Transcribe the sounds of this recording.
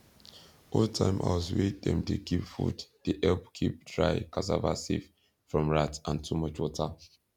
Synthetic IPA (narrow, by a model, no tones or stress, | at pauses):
ʔɔltʰãɪ̃mʔa̰ɪwɔzwet̚dɛ̃mteɡivfṵddiʔɛlpkʰip̚dɹaɪkʰasavasḭf | fɹɔ̃mɹatãntʰumʌt͡ʃwɔtʰə